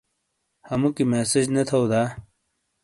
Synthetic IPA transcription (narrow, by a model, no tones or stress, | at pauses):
hɐmukimeːsed͡ʑnɐt̪ʰɐwd̪aː